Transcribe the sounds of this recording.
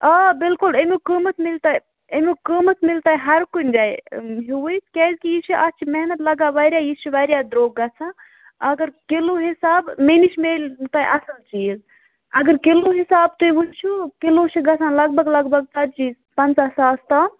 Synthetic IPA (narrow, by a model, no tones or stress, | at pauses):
aːbɪlkʊlemukəːmət̪mɪlt̪aːj | emukəmət̪mɪlt̪aːɦɐɾkunʲd͡ʒaːɦuwəjt̪keːzkijit͡ʃʰiʔɐt͡ʃʰimɛɦnɐt̪lɐɡaːʋaːɾʲjaːjit͡ʃʰuʋaːɾjaːd̪ɾoːɡːɐt͡sʰãː | ɐɡəɾkɪloːɦisaːbmeːnit͡ʃʰmeːlʲt̪aːʔɐsəlt͡ʃiːz | ɐɡəɾkɪloːɦisaːb̚t̪uiʋust͡ʃʰukɪloːt͡ʃʰiɡɐt͡sʰãːlɐɡ̚bɐɡlɐɡbʱɐɡ̚t͡sɐd̪t͡ʃiː | pɐnt͡sɐsaːst̪aː